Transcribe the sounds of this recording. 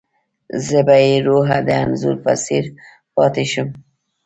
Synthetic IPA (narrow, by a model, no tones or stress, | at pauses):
zəbajeɾoɦad̪əanzṵɾpa̰siɾ | pɑt̪eʃʊm